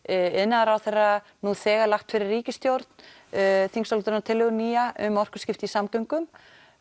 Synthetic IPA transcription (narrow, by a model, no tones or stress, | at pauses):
ɪðnaaɾawθejrːa | nuθɛːɣalaxt̪fɪɾɪrːiːcɪst̪jowɾt̪n̥ | θiŋsɔlt̪ʏɾnat̪ʰɪlːɛɣʏniːaʔʏmːɔr̥kʏ̥scɪft̪ɪisamkœɥŋkʏm